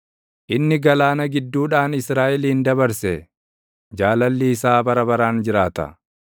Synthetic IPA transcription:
ʔɪnːɪɡɐlaːnɐɡɪd̪ːuːᶑaːnɪsɾaːʔɛliːnd̪ɐbɐɾsɛ | d͡ʒaːlɐlːɪɪsaːbɐɾɐbɐɾaːnd͡ʒɪɾaːt̪ɐ̰

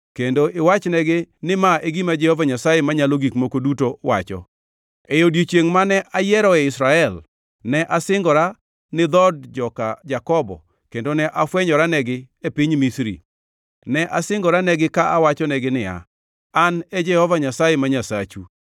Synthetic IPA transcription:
kendoɪwat͡ʃnɛɡɪnɪmaeɡimad͡ʒɛhɔvaɲasajɛmaɲaloɡikmokodutowa̰t͡ʃɔ̰ | ejodjit͡ʃjeŋmanɛʔajɛɾɔɛɪsɾaɛl | nɛʔasɪŋɡɔɾa | nɪd̪ɔdd͡ʒɔkad͡ʒakɔbɔ̰ | kendonɛʔafwɛɲɔɾanɛɡɪ | epiɲmisɾḭ | nɛʔasɪŋɡɔɾanɛɡɪkaʔawat͡ʃɔnɛɡɪnɪa̰ | anɛd͡ʒɛhɔvaɲasajɛmaɲasat͡ʃu

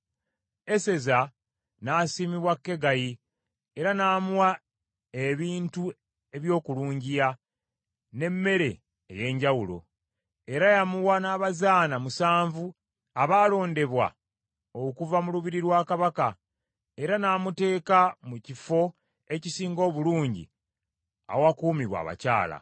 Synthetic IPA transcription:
e̞se̞za | naːsiːmiβwakːe̞ɡaji | e̞ɾanaːmuwa | eβiːntu | e̞βjo̞ːkuluːɲɟija | ne̞mːe̞ɾe̞̰ː | je̞ːɲɟawulo̞̰ | e̞ɾajamuwanaːβazaːnamusaːɱvu | aβaːlo̞ːnde̞βwa̰ | okuvamuluβiɾiɾwaːkaβaka | e̞ɾanaːmute̞ːkamucifo̞ | e̞cisiːŋɡo̞ːβuluːɲɟḭ | a̰wakuːmiβwa̰ːβa̰ca̰ːla̰

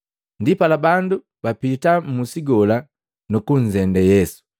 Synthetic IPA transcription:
ndipalabandu | bapitamusiɡɔla | nukuɲzɛndɛjɛsu̥

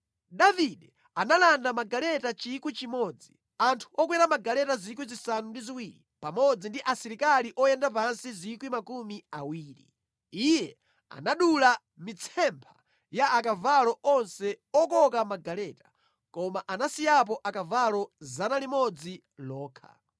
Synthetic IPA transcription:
ɗaviɗɛ | analandamaɡalɛtat͡ʃikwit͡ʃimɔd͡zi | antʰuɔk̬wɛɾamaɡalɛtazik̬wizisanundiziwiːɾi | pamɔd͡zindiʔasiɾikaliʔɔjɛndap̬ansizikwimakumiawiːɾḭ | ijɛ | a̰naɗula | mit͡sʰɛmpʰḁ̰ | jaːkavalɔʔɔnsɛɔkɔkamaɡalɛtḁ | kɔmaʔanasijap̬ɔʔakavalɔzanalimɔd͡zi | lɔːkʰa̰

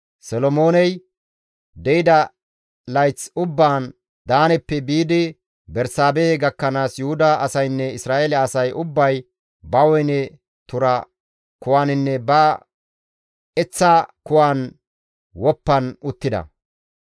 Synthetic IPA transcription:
sɔlɔmo̞ːnɛj | d̪ɛɪd̪ɐ | lɐjt͡sʊbːaːn | d̪aːnɛpːɛbiːd̪ɪ | bɛɾsaːbeːɡɐkːɐnaːsjʊhʊd̪ɐːsɐjnːɛɪsɾaːʔeːlɛɐsɐjʔʊbːɐj | bɐwɔjnɛ | t̪ʊɾɐ | kʊwaːnɪnːɛbɐ | ɛt͡sːakʊwaːn | wɔpːɐnʊt̪ːɪd̪ɐ̰

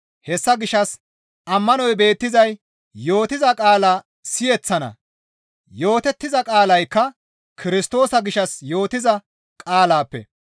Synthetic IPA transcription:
hɛsːɐɡɪʃːɐs | ʔɐmːɐnɔjbe̞ːt̪ːɪzɐj | jo̞ːt̪ɪzɐkʼaːlaː | sɪjɛt͡sːɐnɐ̰ | jo̞ːt̪ɛt̪ːɪzɐkʼaːlɐjkːɐ | kʰɪɾɪst̪o̞ːsɐɡɪʃɐsjo̞ːt̪ɪzɐ | kʼaːlaːpːɛ̰

